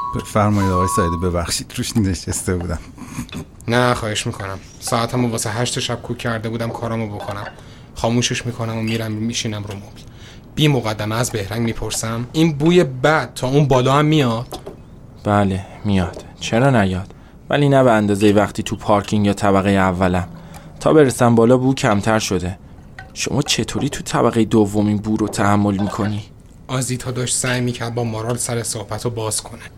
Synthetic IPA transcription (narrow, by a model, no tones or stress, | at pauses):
b̥efæɾmɒːjid̪ɒːʁɒːjesæed̪iːbe̞bæxʃid̪̥ɾuʃneʃest̪ebuːd̪æm | næχɒːhe̞ʃmiːkʰo̞næm | sɒæt̪ʰæmovɒːseɦæʃt̪oʃæb̥̚kʰuːæɾd̪e̞buːd̪æmkʰɒːɾæmobo̞kʰonæm | χɒːmuːʃeʃmiːkʰonæmomiːɾæmmiːʃiːnæmɾumobi | b̥iːmoɣæd̪ːæmeæzbe̞hɾæŋɡmiːpʰo̞ɾsæmiːnbuːjebæd̪̥̚t̪ʰɒːunbɒːlɒːæmːijɒd̪̥ | b̥æːle̞mijɒd̪̥ | t͡ʃʰe̞ɾɒːnæjɒːd̪̥ | væ̰liːnæbeænd̪ɒːzejevæχt̪ʰiːt̪ʰupʰɒɾcʰiŋjɒːt̪ʰæbæɣejeævːælæm | t̪ʰɒ̰ːbe̞ɾesæmbɒːlɒːbuuːcʰæmt̪ʰæɾʃo̞d̪e̞ | ʃo̞̰mɒːt͡ʃʰe̞t̪ʰoːɾiːt̪ʰut̪ʰæbæɣejed̪ovːo̞minbuːɾot̪ʰæhæmːo̞lmiːkʰo̞ni | ʔɒːziːd̪hɒːd̪ɒːʃt̪sæːjmiːcʰæɾd̪̚bɒːmoɾɒːlsæɾesohb̥æt̪ʰobɒːz̥kʰo̞næ̥